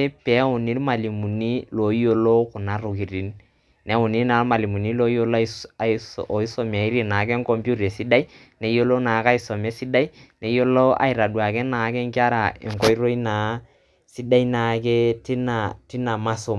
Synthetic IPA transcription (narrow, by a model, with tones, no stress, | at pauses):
e˦pɛ˨˦ʊ˨ni˦ɾma˨li˨mu˨ni˦lo˨i˦jo˦lo˦kʊ˨na˦ɾʊ˨ki˨ɾi˦n | nɛ˦ʊ˨ni˦na˨˦ma˨li˨mu˨ni˦lo˦i˦o˦la˨ɔ˨i˦so˨m˨a˨i˦ɾi˦˨na˨˦kɛ˦ŋko˦mpju˦ɾɛ˨si˦da˦i˦ | ne˨˦jo˦lo˦na˨˦ka˦i˨˦sɔ˨me˦si˦da˦i˦ne˨˦jo˦lo˦a̰˨i˨ɾa˨du˨a˨kɛ˦na˨˦kɛ˦ŋki˦a˦ɾa˨ɛ̰˨ŋkɔ˦i˦ɾo˦i˦naː˨˦ | si˦da˦i˦na˨kɛ˦ti˦na˨ti˦na˨ma˦sʊ˨m